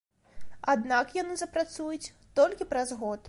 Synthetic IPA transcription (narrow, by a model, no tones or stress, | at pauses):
ad̪nakjanɨzɐpɾat̪sujut͡sʲ | t̪ɔlʲkʲipɾɐzɣɔt̪